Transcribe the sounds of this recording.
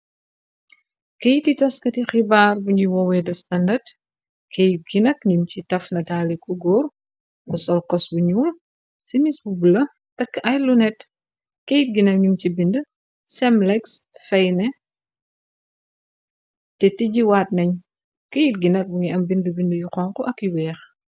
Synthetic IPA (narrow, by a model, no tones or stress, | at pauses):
kejititɐskɐtixibaːrbuɲuwɔwɛdɐstɐndɐd | kejit̚ɡinɐkɲumcitɐfnɐtaːlikuɡɔr | kusɔlkɔsbuɲuːl | simisbubulɐ | tɐkːɐjlunɛt | kejt̚ɡinɐk̚ɲumt͡ʃibində | sɛmlɛksfɛjnɛ | tɛtiɟiwaːt̚nɐɲ | kejit̚ɡinɐk̚buŋiɐmbindəbindəjuxɔŋkɔʔɐkːiwɛːx